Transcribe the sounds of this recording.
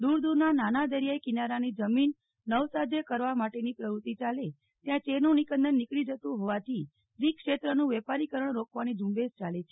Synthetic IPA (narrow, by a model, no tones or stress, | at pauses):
d̪uɾd̪uɾnananad̪əɾjajkinaɾanid͡ʒəminː | əʋsad͡ʒekəɾʋamaʈenipɾəʋɾut̪it͡ʃale | t̪jãt͡ʃenũnikənd̪ənːikɭid͡ʒət̪ũɦoʋat̪ʰi | ɾikʃet̪ɾənũʋepaɾikəɾəɳɾokʰʋanid͡ʒũmbed͡ʒt͡ʃalet͡ʃʰe